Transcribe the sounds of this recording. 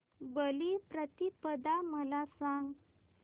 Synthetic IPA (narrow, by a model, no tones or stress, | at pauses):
bəlipɾət̪ipəd̪aməlasãŋɡ